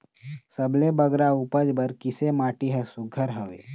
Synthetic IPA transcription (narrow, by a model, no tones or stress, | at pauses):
səblebəɡɾauːpəd͡ʒbəɾkɪsemaːʈiɦɛsʊɡʱəɾɦəʋḛː